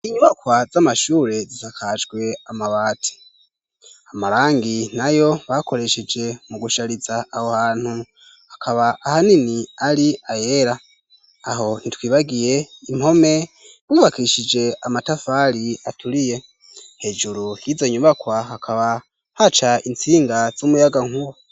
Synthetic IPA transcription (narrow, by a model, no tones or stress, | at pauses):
iɲuβakwazamaʃuːɾe̞zizakʰad͡ʒɡwe̞amaβaːtʰi̥ | amaɾaːŋɡinajo̞βako̞ɾe̞ʃed͡ʒe̞muɡuʃaɾizaːhohaːn̥hu | hakʰaβaʔahaniniaɾiaje̞ɾaː | ɦo̞n̥itwiːβaɡije̞imho̞me̞ | βuːβakiʃid͡ʒe̞amatafaɾiatʰuɾije̞ | he̞ːd͡ʒuɾujizeɲuβakwaɦakʰaβa | hat͡ʃaint͡siːŋɡaz̥umujaɡaŋ̥huβo